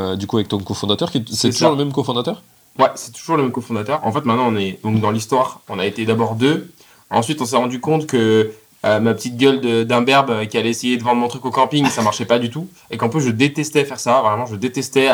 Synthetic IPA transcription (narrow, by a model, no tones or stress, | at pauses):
d̪ykuavɛk̚t̪ɔ̃kɔ̃fɔ̃d̪at̪œʁkʲisɛtt̪uʒuʁləmɛmkɔ̃fɔ̃d̪at̪œʁ | wɛsɛ̥t̪u̥ʒuʁləmɛmkɔfɔ̃d̪at̪œʁɑ̰̃fɛt̪mɛ̃t̪nɑ̃ɔ̃nɛd̪ɔ̃kd̪ɑ̃list̪waːʁɔ̃naet̪ed̪abɔʁd̪ø | ɑ̰̃sɥit̪ɔ̃sɛʁɑ̃d̪ykɔ̃t̪kə | ømapə̥t̪it̪̚ɡʲœld̪əd̪ɛ̃bɛʁbøkʲialɛesejed̪əvɑ̃d̪ʁmɔ̃t̪χykokɑ̃piŋsamaʁʃɛpad̪yt̪u | ekɑ̃plys̬ʒəd̪et̪ɛst̪ɛfɛʁsavʁɛmɑ̃ʒəd̪et̪ɛst̪ɛ